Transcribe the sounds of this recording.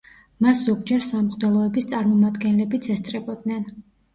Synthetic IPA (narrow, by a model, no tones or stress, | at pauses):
masz̥ɔɡ̚d͡ʒɛɾsamχʼd̪ɛlˠɔɛbist̪sʼaɾmɔmad̪ɡɛnlɛbit̪sʰɛst̪sʼɾɛbɔd̪̚nɛn